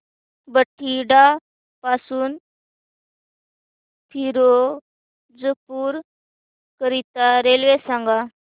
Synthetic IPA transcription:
bəʈʰːiɖa | pasuːn | t̪ʰiɾo | d͡zəpuːɾ | kəɾit̪aɾelʋesãŋɡa

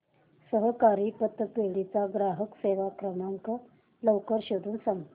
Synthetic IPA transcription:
səɦəkaɾipət̪ːəpeɭit͡saɡɾaɦəkseʋakɾəmaŋkə | ləwkəɾɕod̪ʱuːnsaŋɡ

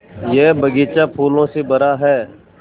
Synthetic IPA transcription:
jɛːbɐɡeːt͡ʃapʰuːlõsebɐɾaɦɛː

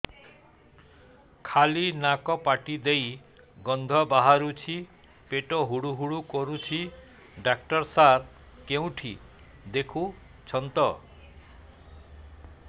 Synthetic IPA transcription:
kʰalinakɔpaʈid̪ej | ɡɔnd̪ʱɔbaɦaɾut͡ʃʰi | peʈɔɦuɽuɦuɽukɔɾut͡ʃʰi | ɖak̚ʈɔɾsaɾ | keũʈʰḭ | d̪ekʰu | t͡ʃʰɔnt̪ɔ

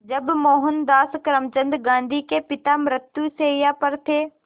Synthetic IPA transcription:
d͡ʒɐbmoːɦʊnd̪aːskɾəmt͡ʃə̃nd̪ɡãːnd̪ʱikepɪt̪amɾɪt̪juseːjapəɾt̪ʰeː

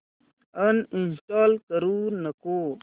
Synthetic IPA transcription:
əninsʈaːlkəɾunɐkoː

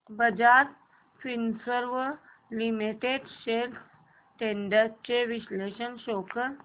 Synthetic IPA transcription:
bəd͡ʑat̪ | finsəɾʋə | limiʈeɖsel | ʈeɳɖat͡ɕeʋiɕleɕənɕokəɾ

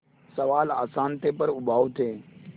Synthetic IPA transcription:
səʋaːla̰ːsaːnt̪eːpəɾʊbʱaːot̪ʰeː

